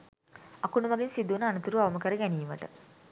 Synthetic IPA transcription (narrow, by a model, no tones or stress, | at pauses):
akunuʋɐɡinsid̪unəanət̪uɾuaʋɐməkəɾəɡæniːmə̰ʈə